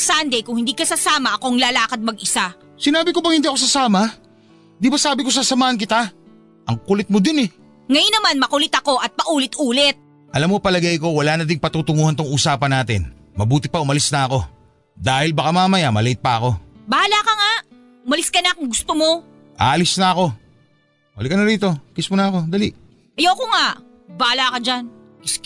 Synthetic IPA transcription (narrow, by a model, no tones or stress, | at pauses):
sand̪ɛjkʊŋhɪnd̪ikɐsɐsaːmɐʔɐkoŋlaːlaːkɐd̪̚mɐɡʔɪsa | sɪnaːbɪkobɐŋhɪnd̪iʔɐkos̬ɐsaːmɐ | d̪ibɐsaːbɪko̞sasɐmaːhɐnk̬ɪt̪a | ʔɐŋkʊlɪt̪̚mod̪ɪnɛ | ŋɐjʊnːɐmanmɐkʊlɪt̪ɐko̞ʔɐt̪̚pɐʔuːlɪt̪ʔuːlɛt̪̚ | ʔɐlamːkopɐlɐɡɐjko̞wɐlaːnɐd̪ɪŋpɐt̪uːt̪ʊŋuːhɐnt̪ʊŋʔuːsaːpɐnːaːt̪ɪ̰n | mɐbuːt̪ɪpɐʔʊmɐlɪsnɐɐko̞ | d̪aːhɪlbɐkamaːmɐjamɐlɛɪt̪̚pɐɐko̞baːlakɐŋaʔ | ʊmɐlɪskɐnakʊŋɡʊst̪omo̞ | ʔa̰ːlɪsnɐɐko̞ | mɐlɪkɐnɐɾiːt̪o̞kɪsmʊnɐɐko̞d̪ɐliʔ | ʔɐjowkoŋaʔ | baːlakɐd͡ʒan | ɪs